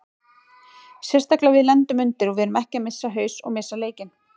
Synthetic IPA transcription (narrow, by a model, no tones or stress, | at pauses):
sjɛrst̪aklavɪðlɛnt̪ʏmʏnt̪ɪɾɔɣvɛɾʏmɛhcɪamɪsːaɦœːɥsɔ̰ɣmɪsːaleːjcɪn